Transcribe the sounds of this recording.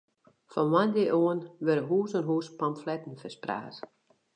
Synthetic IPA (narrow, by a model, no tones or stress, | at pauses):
fɔnʋandɪʔoənʋɛɾəɦuːsənɦuːspamflɛtn̩fɛspra̰ːs